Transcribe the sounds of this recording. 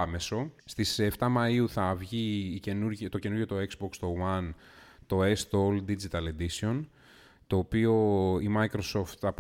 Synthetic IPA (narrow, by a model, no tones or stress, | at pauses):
me̞so̞st̪ise̞ft̪ɐmɐiuθɐvʝiːce̞nuɾʝt̪o̞ce̞nuɾʝo̞t̪o̞e̞kzbo̞kst̪o̞wɐn | t̪o̞e̞st̪oold̪id͡ʒit̪ɐle̞d̪isio̞n | t̪o̞ːpio̞imɐikɾo̞so̞ft̪θɐp